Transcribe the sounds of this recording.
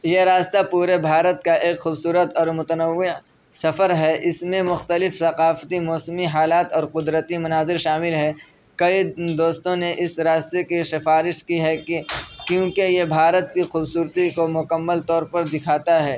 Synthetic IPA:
jeɾaːst̪apuːɾebʱaːɾət̪kaʔeːkxuːbsuːɾət̪ɔːɾmʊt̪ənəʋːɪ | sɐfəɾɦɛʔɪsmẽmʊxt̪əlɪfsɐqaːft̪imɔːsmiɦaːlaːt̪ɔːɾqʊd̪ɾət̪imɐnaːzɪɾʃaːmɪlɦɛː | kɐid̪oːst̪õneʔɪsɾaːst̪ekeʃɪfaːɾɪʃkiɦɛ | kjõːkejebʱaːɾət̪kixuːbsuːɾt̪ikomʊkəmːəlt̪ɔːɾpɐɾd̪ɪkʰaːt̪aɦɛː

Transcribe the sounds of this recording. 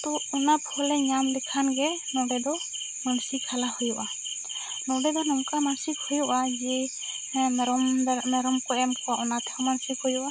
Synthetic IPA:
t̪ɔunapʰɔlɛɲamd̪ɛkʰanɡɛnɔɖɛd̪ɔ | mansikʰalahujɔʔa | nɔɖɛd̪ɔnɔmkamansik̚hujɔʔad͡ʒɛ | ɾɔmmɛɾɔmkɔɛmkɔwaɔnat̪ʰɛɔmansikhɔjuʔa

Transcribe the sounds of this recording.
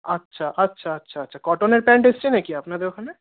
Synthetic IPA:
ɐtːʃʰaʔɐtːʃʰaɐtːʃʰaɐtːʃʰakɔːʈoːneɾpɛ̃ːɳʈɪst͡ʃinekijaɐpnad̪ekʰɐne

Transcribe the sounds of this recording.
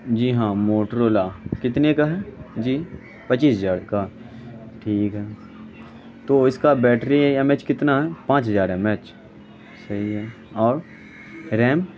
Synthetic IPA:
d͡ʒiːɦãːmoːʈɾoːlakɪt̪nekaɦɛd͡ʒiː | pɐt͡ʃiːsɐd͡ʒaːɽka | ʈʰiːkɦɛː | t̪oːɪskabɛːʈʰɾiɦjamɛːt͡ʃkɪt̪naɦɛːpãːt͡ʃɦɐd͡ʒaːɾɦɛmɛːt͡ʃ | sɐɦiɦɛː | ɔːɾ | ɾɛːm

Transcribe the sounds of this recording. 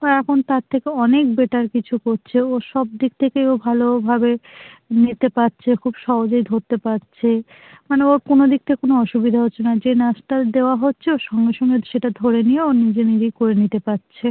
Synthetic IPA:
ɛkʰont̪aɾt̪ʰekeɔnek̚beʈaɾkit͡ɕʰukoɾt͡ɕʰeoɾʃɔb̚d̪ik̚t̪ʰekeobʱalobʱabenit̪epatːɕʰekʰubʃɔɦod͡ʑoid̪ʱoɾt̪epatːɕt͡ɕʰe | maneoɾkonod̪ik̚t̪ʰekonoɔʃubid̪ʱaɦotːɕʰenad͡ʑenasʈad̪eoaɦotːɕʰeoʃɔŋɡeʃɔŋɡeʃeʈad̪ʱoɾenijeonid͡ʑenid͡ʑejkoɾenit̪epatːɕʰe

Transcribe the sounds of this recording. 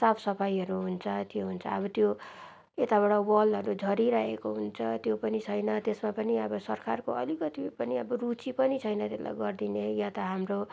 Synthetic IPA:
sabsʌpʰajʌɾuɦunt͡sʰʌt̪joɦunt͡sʰʌ̰ʌbʌt̪jo | et̪aβʌɽawʌlʌɾud͡zʱʌɾiɾaɦekoɦunt͡sʰʌt̪jopʌnit͡sʰʌjnʌt̪esmapʌniʌbʌsʌrkarkoʌlikʌt̪ipʌniʌbʌrut͡sipʌnit͡sʰʌjnʌt̪ela̰jɡʌrd̪inejat̪ʌɦamro

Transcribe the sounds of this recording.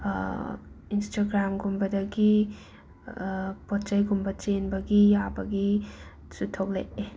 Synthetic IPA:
instaɡɾamɡumbɐdɐɡi | pɔtt͡ʃajɡumbɐt͡ʃenbɐɡiabɐɡi | sutʰːok̚lḛʔe

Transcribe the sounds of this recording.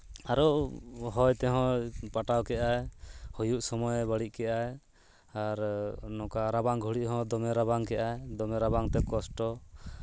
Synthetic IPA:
aɾɔʔɦɔjt̪ɛɦɔ̃paʈawkɛʔajhujuʔsɔmɔjbaɽiʔ̚kɛʔaj | aɾnɔkaɾabaŋɡʱuɽiʔɦɔ̃d̪ɔmɛɾaβaŋkɛʔajd̪ɔmɛɾabaŋt̪ɛkɔsʈɔ

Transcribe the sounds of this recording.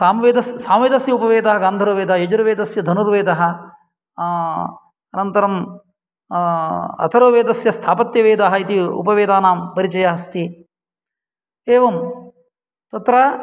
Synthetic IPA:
saːmɐʋeːd̪ɐssaːmʋeːd̪ɐsjɐupɐʋeːd̪ɐɦɐɡaːnd̪ʱɐɾoːʋeːd̪ɐɦɐjɐd͡ʒuɾɐʋeːd̪ɐsjɐd̪ʱɐnuɾʋeːd̪ɐɦɐ | ɐnɐnt̪ɐɾɐm | ɐ̰t̪ʰɐɾoːʋeːd̪ɐsjɐst̪ʰaːpɐt̪jɐʋeːd̪aɦɐit̪iṵpɐʋeːd̪aːnaːmpɐɾit͡ʃɐjaɦɐst̪i | eːʋɐm | t̪ɐt̪ɾɐː

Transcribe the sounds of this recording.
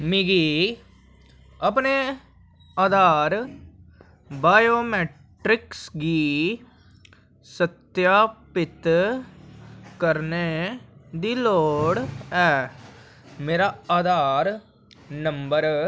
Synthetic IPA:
miːɡiː | əpne | aːd̪aːɾ | baːjoːmɛːʈɾɪksɡiː | sət̪jaːpɪt̪ | kəɾne | d̪iːloːɽɛː | meːɾaːaːd̪aːɾ | nəmbəɾ

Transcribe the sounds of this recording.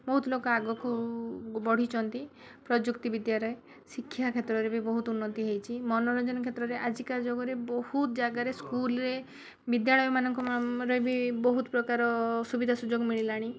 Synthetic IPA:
bɔɦut̪ɔlokɔaɡɔkubɔɽ̤it͡ʃʰɔnt̪ipɾɔd͡ʒukt̪ibid̪jaɾɔje | sikʰːjakʰet̪ɾɔɾebʱibɔɦut̪unːɔt̪iɦejt͡ʃʰimɔnɔɾɔd͡ʒɔnɔkʰet̪ɾɔɾeʔad͡ʒikad͡ʒoɡɔɾebɔhut̪ɔd͡ʒaɡaɾeskulɾe | bid̪jaɭɔjɔmanɔŋkɔɾɔjbʱibɔɦut̪ɔpɾɔkaɾɔsubid̪ʱasud͡ʒoɡmiɭilaɽ̃i

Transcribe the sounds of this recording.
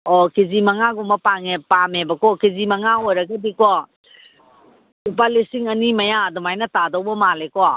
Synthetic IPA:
ɔkizimɐŋaɡumɐpaŋepamebɐkɔkizimɐŋaojɾɐɡadikɔ | up̬alisiŋɐnimɐjadɔmajnɐtadɔwbɐmalekɔ

